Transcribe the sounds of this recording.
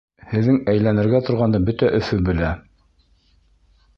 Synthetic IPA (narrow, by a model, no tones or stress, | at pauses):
hɘ̆ðːɘŋæjlænɘ̆ɾɡæt̪ŏɾʁɑnd̪ɤbɵt̪æʔɵ̆fɵbɘ̆læ